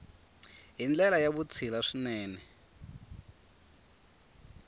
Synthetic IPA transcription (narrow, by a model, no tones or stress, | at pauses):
ɦind͡ɮɛlajaβut͡sʰilaʂinɛːnɛ